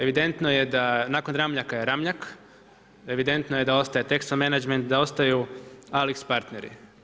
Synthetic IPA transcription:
e̞ʋid̪e̞nt̪no̞je̞d̪anaːko̞nɾamʎakajeɾamʎak | e̞ʋid̪e̞nt̪noje̞d̪ao̞st̪ajet̪e̞kst̪omenad͡ʒment̪̚d̪ao̞st̪ajualikspaɾt̪ne̞ɾḭ

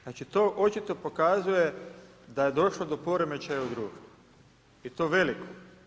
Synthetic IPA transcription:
nat͡ʃit̪o̞ʔo̞t͡ʃit̪o̞po̞kazuje̞ | d̪aje̞d̪o̞ʃlod̪o̞po̞ɾemet͡ʃajaud̪ɾuːɡ | it̪o̞ːʋe̞liko

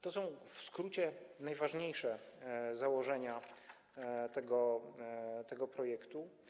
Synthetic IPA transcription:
t̪ɔsɔ̃w̃fskɾut͡ɕɛnajvaʐɲejʂɛzawɔʐɛɲa | t̪ɛɡɔ | t̪ɛɡɔpɾɔjɛkt̪u

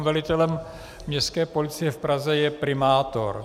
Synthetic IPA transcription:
mvɛlɪt̪ɛlɛm | mɲɛskɛːpolɪt͡sɪjɛfpɾazɛjɛpɾɪmaːt̪o̰ɾ

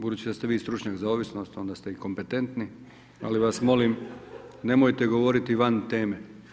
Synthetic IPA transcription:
bud̪uːt͡ɕid̪ast̪eʋiːst̪ɾut͡ʃɲakzaoːʋisno̞st̪o̞nd̪ast̪e̞iko̞mpe̞t̪e̞nt̪ni | a̰liʋasmo̞limne̞mojt̪e̞ɡo̞ʋo̞ɾit̪iʋant̪e̞ːme̞

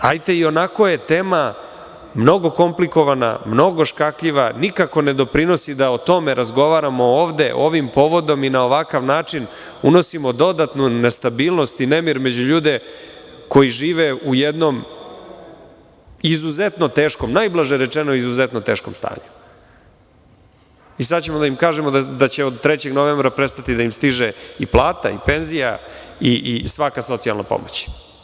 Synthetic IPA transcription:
ajt̪e̞io̞nako̞je̞t̪e̞ːma | mno̞ɡo̞ko̞mpliko̞ʋana̰mno̞ɡo̞ʃkakʎiʋanikako̞ne̞d̪o̞pɾino̞sid̪aot̪o̞me̞ɾʔazɡo̞ʋaɾamo̞oːʋd̪e̞̰ʔo̞ʋimpo̞ʋo̞d̪o̞minao̞ʋakaʋnaːt͡ʂin | uno̞simo̞d̪o̞d̪at̪nune̞st̪abiːlˠno̞st̪inemiɾme̞d͡ʑuʎuːd̪e̞ | ko̞jiʒiːʋeʔujed̪no̞m | izuzet̪not̪eːʃko̞mnajblˠaʒeɾet͡ʂenoizuzet̪not̪e̞ːʃko̞̰mst̪a̰ːɲu̥ | isad̪t͡ɕemod̪aimkaːʒemod̪d̪at͡ɕeod̪̚t̪ɾet͡ɕe̞ɡnoʋembɾapɾest̪at̪id̪aimst̪iʒeiplˠaːt̪a̰ipe̞nzija̰iʔisʋakaso̞t̪sia̰lˠna̰po̰mot͡ɕ

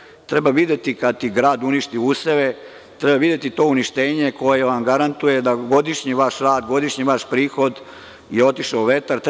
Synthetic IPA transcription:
t̪ɾebaʋid̪et̪ikad̪̚t̪iɡɾaːd̪uniʃt̪iuseʋe | t̪ɾebaʋid̪e̞t̪it̪o̞ːuniʃt̪eːɲeko̞jeʋamɡaɾant̪uje̞d̪aɡo̞d̪iʃɲiʋaʃɾaːd̪ɡo̞d̪iʃɲiʋaʃpɾiːxo̞d̪ | jeo̞t̪iʃauʋet̪aɾt̪

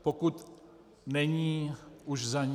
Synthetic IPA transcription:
pokut̪ | nɛɲiːuʃzaɲ

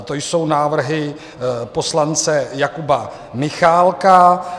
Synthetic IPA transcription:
t̪o̞jso̞wnaːvr̩ɦɪ | po̞slant͡sɛjakuba | mɪxaːlka

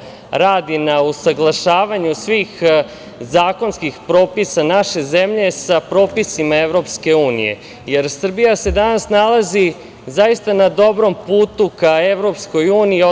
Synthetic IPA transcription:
ɾaːd̪inausaɡlˠaʃaːʋaɲusʋiːx | zaːko̞nskixpɾo̞ːpisanaʃe̞ze̞mʎe̞sapɾo̞ːpisimaeʋɾo̞pske̞uːnḭje̞̰ | je̞ɾsr̩bijase̞d̪anasnalˠazi | zajist̪anad̪o̞bɾo̞mpuːt̪ukaeʋɾo̞psko̞juːniio

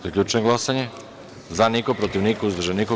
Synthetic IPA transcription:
akʎʲut͡ʃɛnɡlˠasaɲɛ | zanikopɾot̪ivnikuzd̪rʒɛniko

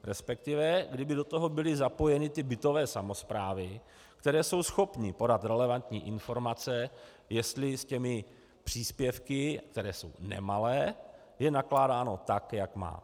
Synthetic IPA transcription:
ɾɛspɛk̚t̪ɪvɛɡdɪbɪdo̞t̪oɦo̞bɪlɪzapo̞jɛnɪt̪ɪbɪt̪o̞vɛːsamo̞spɾaːvɪ | kt̪ɛɾɛːso̞wsxo̞pɲɪpo̞dat̪ɾɛlɛvant̪ɲḭːʔɪnfo̞ɾmat͡sɛ | jɛst̪lɪscɛmɪ | pr̝̥iːspjɛfkɪk̚t̪ɛɾɛːso̞̰wnɛ̰malɛː | jɛnaklaːdaːno̞t̪akjakma̰ː

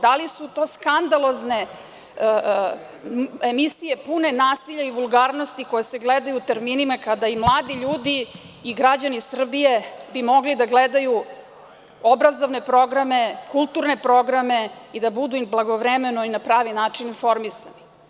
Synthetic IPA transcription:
d̪alisut̪o̞ːskand̪alˠo̞zne̞ | emisije̞pune̞naːsiʎaiʋulˠɡaːɾno̞st̪iko̞jeseɡled̪ajut̪eɾminimakad̪aimlˠaːd̪iʎuːd̪iː | ɡɾad͡ʑanisr̩bije̞bimo̞ɡlid̪aɡled̪aju | o̞bɾazo̞ʋne̞pɾo̞ɡɾame̞kulˠt̪uɾne̞pɾo̞ɡɾame̞id̪abud̪umblˠaɡoʋɾemenoinapɾaːʋinaːt͡ʂininfo̞ɾmisani

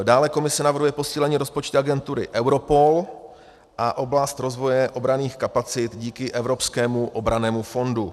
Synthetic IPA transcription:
daːlɛko̞mɪsɛnavrɦujɛpo̞siːlɛɲiːɾo̞spot͡ʃt̪uaɡɛnt̪uɾɪ̰ʔɛwɾo̞po̞l | ʔaʔo̞blast̪ɾo̞zvo̞jɛʔo̞bɾaniːxkapat͡sɪt̪ɟiːkɪʔɛvɾo̞pskɛːmuʔobɾanɛːmufo̞ndu

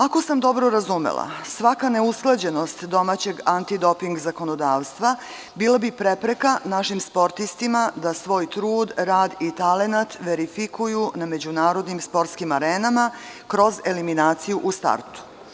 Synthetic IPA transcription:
ako̞samd̪o̞bɾo̞ɾazumḛlˠa̰sʋakane̞usklˠad͡ʑe̞no̞st̪d̪o̞mat͡ɕe̞ɡant̪id̪o̞piŋɡzako̞nod̪aːʋst̪ʋa | biːlˠabipɾepɾekanaʃimspo̞ɾt̪ist̪imad̪asʋo̞ːjt̪ɾuːd̪ɾaːd̪it̪ale̞nat̪ʋe̞ɾifikʰujuname̞d͡ʑunaːɾo̞d̪nimspo̞ɾt̪skimaɾeːnama | kɾo̞ze̞liminaːt̪sijuʔust̪a̰ɾt̪u̥

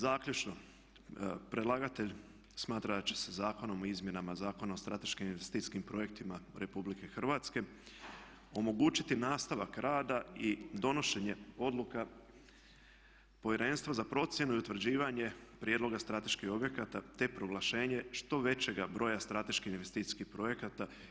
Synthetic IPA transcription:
zaːkʎʲut͡ʃno̞ | pɾe̞d̪laːɡat̪e̞ʎ | smaːt̪ɾad̪at͡ɕe̥sezaːko̞no̞moizmje̞namazaːko̞naost̪ɾat̪e̞ʃkiminʋest̪iːsʲkimpɾo̞je̞k̚t̪imaɾe̞publike̞xr̩ʋat̪ske̞ | o̞mo̞ɡuːt͡ɕit̪inaːst̪aʋakɾaːd̪aid̪o̞no̞ʃe̞ɲe̞o̞d̪lˠuka | po̞jeɾe̞nst̪ʋazapɾo̞t̪sʲje̞nuiut̪ʋr̩d͡ʑiːʋaɲe̞pɾjed̪lˠo̞ɡast̪ɾat̪e̞ʃkixo̞bje̞kat̪at̪e̞pɾo̞ɡlˠaʃe̞ːɲeʃt̪o̞ʋe̞t͡ɕe̞ɡabɾo̞jast̪ɾat̪e̞ʃkiçinʋest̪it̪iskihpɾo̞je̞kat̪a

